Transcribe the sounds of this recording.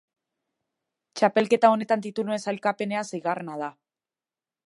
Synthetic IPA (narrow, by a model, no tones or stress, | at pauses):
t͡ʃape̞lke̞t̪ao̞ne̞t̪and̪it̪unue̞nsajlkape̞ne̞ansejɣarenað̞a